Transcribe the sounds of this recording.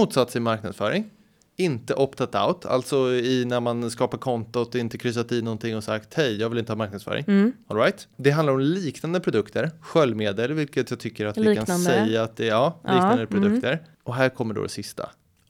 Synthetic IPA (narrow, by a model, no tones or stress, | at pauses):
muːt̪sat̪sɪmaɾknad̪sfœːɾɪŋ | ɪnt̪əʔɔpt̪ʰat̪a̰ʊt̪ʰa̰lt̪sɔɪnæɾmanskɑːpaɾkʰɔnt̪ʊt̪ɪnt̪əkʰɾʏs̬at̪ɪnɔnt̪ɪŋːɔsakt̪hɛjjɑːɡvɪlɪnt̪əhɑːmaɾknad̪sfœ̰ːɾʔɪ̰ŋɔlɾajt̪d̪ɛɦand̪aɾɔmliːknand̪əpʰɾʊd̪ɵkt̪ʰəɾɧœlːmeːd̪əlvɪlkət̪jɑːɡt̪ʰʏkːəɾat̪vɪkanɛjːaːt̪̚d̪ɛɑːliːknnd̪əpʰɾʊd̪ɵk̚t̪əɾ | ɔɦæːɾkʰɔmːəɖo̰d̪ɛ̰sɪst̪ʰa̰